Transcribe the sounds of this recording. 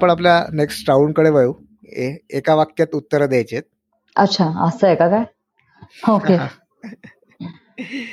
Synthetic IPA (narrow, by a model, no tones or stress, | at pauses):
pəɳap̬ljaneksʈʈaunkəɽeʋəju | eekaʋakjat̪ut̪ːəɾəd̪jajt͡ɕet̪̚ | ətːɕʰaə̰səekakaj | oke